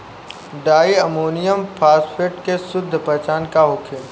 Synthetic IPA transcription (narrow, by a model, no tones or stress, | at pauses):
ɖaːiɐmoːnijəmpʰaːspʰeɾʈkesʊd̪ʱːpɛɦt͡ʃaːnkaɦʊkʰe